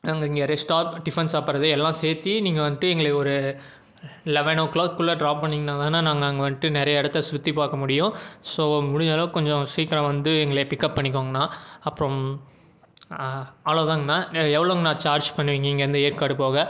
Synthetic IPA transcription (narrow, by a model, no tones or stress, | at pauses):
naːŋɡɐɪŋɡɐɾɛsʈaːpɖɪfɛnsaːpːɐɾɐðɯɛlːãːseːɾt̪ːiniːŋɡɐʋɐnd̪ɯʈ̪ɯɛŋɡɐɭeːɔɾɯ | ɪlɛʋɐnoːkːɭaːkːɯɭːɐɖɾaːpːɐɳːiŋɡɐnãːt̪aːnːaːnaːŋɡɐːŋɡɐʋɐnd̪ɯʈ̪ːɯnɛɾɐjɐɪɽɐt̪ːɐsɾʊt̪ːipaːkɐmʊɽɪjʊ̃soːmʊɽɪɲaːloːkɔɲd͡ʒɔ̃siːkɪɾɐ̃ʋɐnd̪ɯɛŋɡɐɭepɪkːɐpːɐɳːɪk̬ːoːŋɡɐnːãːɐpːɐɾɔ̃ | ɐloːt̪aːŋɡɐnːaːɛʋɐɭoŋɡnãːt͡ʃaːɾd͡ʒpɐɳːɯʋiɪːŋɡɐɪŋɡɐɾɯnd̪ɐejːɾkaːɽɯpoːɣɐ